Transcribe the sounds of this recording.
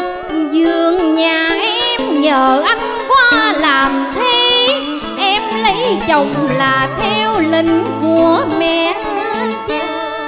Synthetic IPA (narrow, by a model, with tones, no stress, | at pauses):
zɨ˨˩˨əŋɲaː˨˩ɛ˧mɲəː˨˦ʔa˧˩jŋ̟kwaː˧laː˨˩mt̪ʰi˧ | ʔɛ˧mlə˨˦jt͡ɕə˨˩wŋ͡mlaː˨˩t̪ʰɛ˧wli˧ŋ̟vu˧əmɛ˧˩